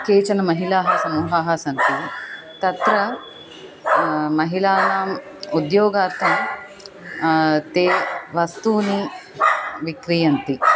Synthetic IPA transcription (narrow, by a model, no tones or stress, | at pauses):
keːt͡ʃɐnɐmɐɦilaːɦɐsɐmuːɦaːɦɐsɐnt̪i | t̪ɐt̪ɾɐ | mɐɦilaːnaːm | ud̪joːɡaːɾt̪ɐm | t̪eːʋɐst̪uːni | ʋikɾijɐnt̪i